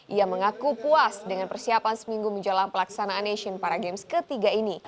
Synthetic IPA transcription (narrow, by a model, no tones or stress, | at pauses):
ʔiaməŋakupuasdəŋanpərsiapansəmiŋɡuməɲd͡ʒalaŋpəlaksanaːneʃənpaɾaɡɛmskət̪iɡaini